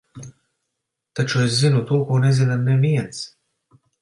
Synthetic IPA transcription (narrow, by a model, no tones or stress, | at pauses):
t̪at͡ʃueszinut̪uɔkuɔnezinamnemiɛns